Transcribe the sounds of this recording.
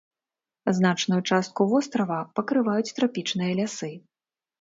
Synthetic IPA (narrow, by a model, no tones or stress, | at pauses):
zn̪at͡ʂnujut͡ʂast̪̚kuvɔst̪ɾɐvɐpɐkɾɨvajut͡sʲt̪ɾapʲit͡ʂnɨjɐlʲasɨ